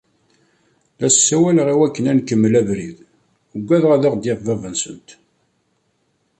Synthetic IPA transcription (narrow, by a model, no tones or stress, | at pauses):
læssːæwælʁiwækːənænkːəmːəlævɾið | əɡʷːæðʁæðaʁd̪jeʁvævənsənt̪